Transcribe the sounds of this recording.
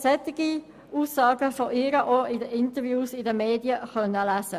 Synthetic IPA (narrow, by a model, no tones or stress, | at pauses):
sɛt̪ɪɡ̥i | uːsːɑːɡəfɔʔɪɾəʔoɪdəɪntəɾvjuːsɪdəmeːdjəχœnːəlæsə